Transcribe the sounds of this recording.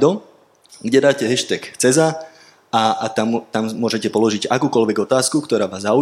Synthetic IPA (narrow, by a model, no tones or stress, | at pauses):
d̪ɔ | ɡɟɛd̪aːcɛɦɛʃt̪ɛkt͡sɛza | at̪amt̪ammʊɔʒɛcɛpɔlɔʒiɟakuːkɔlʋɛɡɔt̪aːskukt̪ɔɾaːʋaːzau